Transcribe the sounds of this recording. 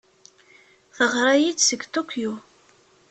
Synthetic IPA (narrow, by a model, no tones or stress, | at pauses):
θəʁɾˤajit͡ssəɡt̪okʰju